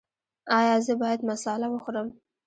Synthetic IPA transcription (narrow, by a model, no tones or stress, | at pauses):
ɑjɑzəbɑjad̪masɑlawəxoɾəm